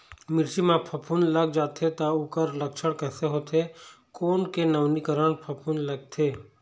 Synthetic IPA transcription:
mɪɾt͡ʃimãpʰɐpʰunləɡd͡ʒaːt̪ʰet̪aukəɾlɐkʃəɽkɛːseɦoːt̪ʰe | koːnkenəʋnikəɾəɳpʰɐpʰunləɡ̚t̪ʰeː

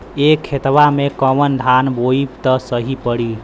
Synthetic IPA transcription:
ekʰːet̪ʋamekəʋənd̪ʱanboipt̪əsəɦipəɽi

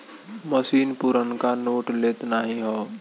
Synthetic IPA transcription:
məsiːnpuɾənkanoːʈleːt̪naːɦĩɦɔː

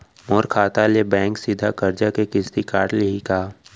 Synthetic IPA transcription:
moːɾkʰaːt̪alebɛ̃ːŋksid̪ʱakɐɾd͡ʒakekɪst̪ikaːʈleɦikaː

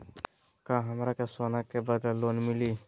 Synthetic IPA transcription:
kãɦəmɾakesoːnakːebad̪alonmɪliː

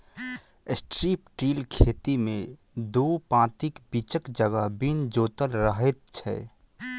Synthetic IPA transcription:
ɪsʈɾiːpʈiːlkʰeːt̪imẽd̪oːpãːt̪ikbiːt͡ʃəkd͡ʒəɡəɦbind͡ʒoːt̪əlɾəɦet̪̚t͡ʃʰɛ̰

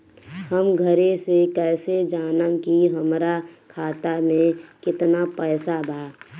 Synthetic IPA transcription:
həmɡʱəɾesekɛːsed͡ʒaːnəmkiɦəmɾakʰaːt̪amẽkɪt̪napɛːsabʱaː

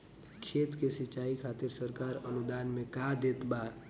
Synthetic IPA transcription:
kʰeːt̪kesɪt͡ʃaːikʰaːt̪ɪɾsəɾkaːɾənʊd̪aːnmẽkad̪eːt̪baː

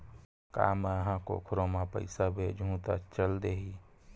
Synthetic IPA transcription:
ka̰ːmeəɦãko̰kʰʊɾomapə̰ɪsabʱed͡ʒʱũːt̪at͡ʃəld̪eɦi

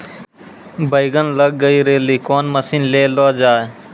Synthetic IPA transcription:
bʱəiɡənləɡ̚ːəiːɾeːliːkoːnməsiːnleːloːd͡ʒaːe

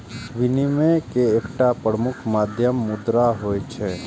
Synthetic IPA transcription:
ʋɪnimẽkeeːkʈapɾəmʊkʰmaːd̪ʱjəmːʊd̪ɾaɦoːjt͡ʃʰɛ

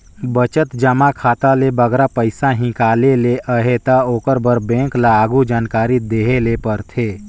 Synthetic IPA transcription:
bət͡ʃət̪d͡ʒəmakʰaːt̪alebəɡɾapəɪsaɦɪ̃kaːleleʔəɦet̪aoːkəɾbəɾbɛ̃ːŋklaːɡud͡ʒaːnkaːɾid̪eɦelepəɾt̪ʰeː

